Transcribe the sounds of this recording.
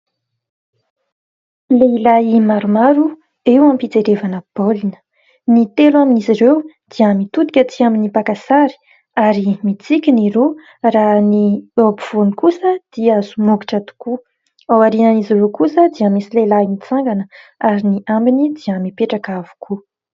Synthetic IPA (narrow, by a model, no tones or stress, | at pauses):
leilaimaɾumaɾu | ewampit͡seɾevanəb̥olinə̥ | nit̪elaminiziɾew | d̪̥iəmit̪ud̪i̥kʲət̪iaminipakasaɾi̥ | aɾimit͡sikʲiniɾo | raniobiv̥onikusəd̪̥iəzumuɡiʈ͡ʂat̪u̥ku | awaɾinənizirokusəd̪iəmisilelainit͡saŋɡanəaɾiniʔambinid̪iəmipeʈ͡ʂakavu̥kʰu